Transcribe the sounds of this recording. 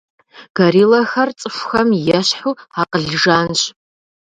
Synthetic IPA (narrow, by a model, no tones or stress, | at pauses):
ɡ̥ɐɾiːlɐxɐrt͡sʼɨfʷxɐmjɛɕħuːaqəɮʐaːnɕ